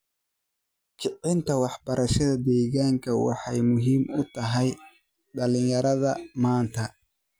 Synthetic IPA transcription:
t͡ʃʰɪʔɪnt̪ʰɐwɑħbɐɾɐʃɐðɐd̪ɛːɣaːŋkʰɐwɑ̰ħɑjmʊɦiːmʊt̪ʰɐɦɛj | ɖɐlɪjɐɾɐðɐmaːnt̪ʰɐ

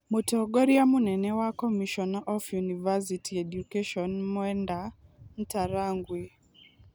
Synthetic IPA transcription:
mutɔɡɔɾiamunɛnɛwakɔmiʃɔnaʔɔfjunivas̬itʰiɛɗukɛʃɔnmuɛndam̩taɾaŋɡwi

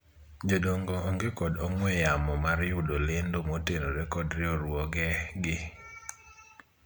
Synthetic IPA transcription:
d͡ʒodoŋɡɔːŋɡekɔdɔŋwɛjamɔmaɾjʊdolendomotenoɾekɔdɾɪoɾwɔɡɛɡɪ

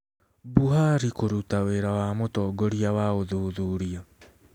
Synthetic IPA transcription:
buɦaɾikoɾutaweːɾawaːmotɔːɡɔɾiawaoðuːðuɾia

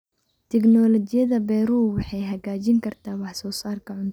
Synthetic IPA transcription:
t̪ʰɛɡnɔːlɔt͡ʃɪjɐðɐbɛɾuːlwɑħɑjɦɐɣaːt͡ʃɪŋkʰɐrt̪ʰaːwɑħsɔːsaːrkʰɐʕʊnt̪ʰ

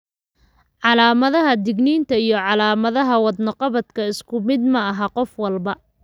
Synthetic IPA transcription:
ʕɑlaːmɐðɐɦɐd̪ɪɡniːnt̪ʰɐijɞʕɑlaːmɐðɐɦɐwɑd̪nɐqɑβɐd̪kʰɐɪskʰʊmɪd̪mɐɐɦɐqɔfwɑlbɐ

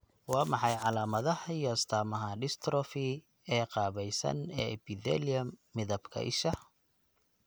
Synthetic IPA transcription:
wɑːmɑħɑjʕɑlaːmɐðɐhɐjɔɐst̪ʰaːmɐɦɐɖɪst̪ʰɾɔfi | ɛːqɑːβɛjsɐ̰nɛːɛbɪðɛliɐmːɪðɐbkʰɐ̰ʔɪ̰ʃɐ

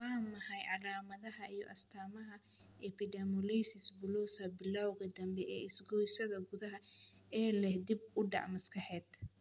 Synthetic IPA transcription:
waːmɐħɐjʕɑlaːmɐðɐɦɐijɔ̰ʔɐst̪ʰaːmɐɦɐ | ʔɛpɪɖɛmɔlɛjsɪsbʊluːsɐbɪlawɣɐd̪ɐmbɛʔɛ̰ːɪsɡɔjsɐðɐɡʊðɐɦɐɛːlɛhd̪ɪbʊɖɑ̰ʕmɐskʰɐħɛːd̪

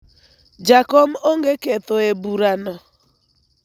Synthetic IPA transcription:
d͡ʒakɔm̩oŋɡeketoebuɾanɔ

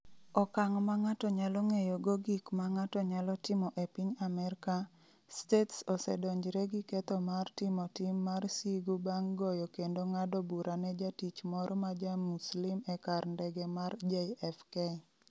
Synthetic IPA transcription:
ɔkaŋmaŋatɔɲalɔŋejoɡoɡikmaŋatɔɲalɔtɪmɔʔepiɲamɛɾka | stetsɔsɛ̰dɔɲd͡ʒɾɛɡɪkɛt̪ɔmartɪmɔtɪmːarsiɡubaŋɡɔjɔkendoŋadobuɾʔanɛd͡ʒatit͡ʃmɔɾɔmad͡ʒamuslimɛkarndɛɡɛmard͡ʒeɛfke

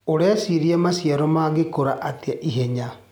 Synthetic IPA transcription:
oɽeasiɾijamasiaɾomaːɡekuɾaʔat̪ijaʔiɦeɲa

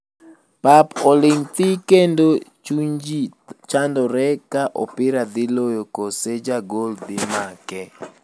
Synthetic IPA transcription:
papɔlɪŋt̪ɪkendot͡ʃuɲd͡ʒit͡ʃandɔɾɛkaʔɔ̰pɪɾad̪ɪlojokosed͡ʒaɡold̪ɪmakɛ

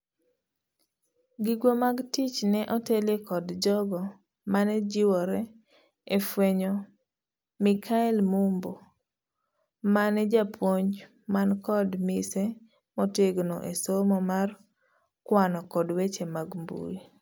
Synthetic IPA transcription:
ɡiɡwomaɡtit͡ʃnɛʔɔtelekɔdd͡ʒɔɡɔ | manɛd͡ʒɪwɔɾɛ | efweɲo | mikʰaɛlmumbo | manɛd͡ʒapwoɲ | mankɔdmise | mɔteɡno̰ʔesomɔmar | kwanɔkɔdwet͡ʃemaɡmbṵi

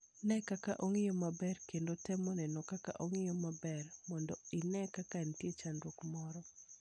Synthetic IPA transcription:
nɛkakaʔoŋɪjomabɛrkendotɛmɔnɛnɔkaka̰ʔoŋɪjomabɛrmɔndɔɪnɛkakantjet͡ʃandwokmɔɾɔ

